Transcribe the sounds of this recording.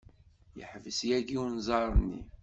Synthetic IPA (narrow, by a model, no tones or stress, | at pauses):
jə̰ħvəsjæɡiwnzˤɑɾˤnːḭ